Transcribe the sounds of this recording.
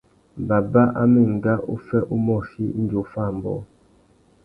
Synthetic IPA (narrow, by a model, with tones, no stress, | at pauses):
ba˨ba˦ʔa˦mi˦˨ŋ̩˨ɡa˦ʔu˦fɛ˦ʔu˦mɔ˦˨si˦i˦n˦d͡ʒo˨˦fa˦˨mbɔ̰˦